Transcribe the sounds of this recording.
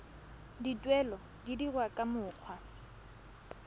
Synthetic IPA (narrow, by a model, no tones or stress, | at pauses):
ditʼwɛlɔ | didirwakʼamʊːq͡χʰwa